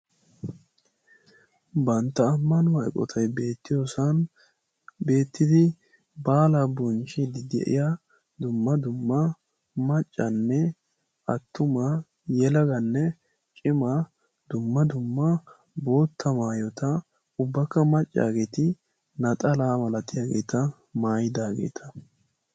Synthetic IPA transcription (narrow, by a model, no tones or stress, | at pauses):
bɐnt̪ːɐːmːɐnʊhɐjkʼɔ̰t̪ʰɐjbe̞ːt̪ːɪjosɐn | be̞ːt̪ːɪd̪ɪ | baːlabɔnt͡ʃid̪ɪd̪ɛ̰ʔɪ̰ja | d̪ʊmːɐd̪ʊmːɐ | mɐt͡ʃʼːɐnːɛ | ʔɐt̪ːʊma | jɛlɐɡɐnːɛ | t͡ʃʼɪma | d̪ʊmːɐd̪ʊmːɐ | bo̞ːt̪ʰːɐmaːjɔt̪ɐ | ʊbːɐkːɐmɐt͡ʃʼːa̰ːɡe̞ːt̪ɪ | nɐt̪ʼɐlaːmɐlɐt̪ɪjaːɡe̞̰ːt̪ʰɐ | maːjɪd̪aːɡe̞̰ːt̪ʰɐ̥